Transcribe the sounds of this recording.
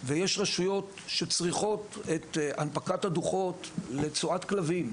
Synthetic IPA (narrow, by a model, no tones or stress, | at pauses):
vejeʃʁaʃujo̞t | ʃe̞t͡sʁiχo̞tet̪anpakathaduχo̞tle̞t͡suatklavim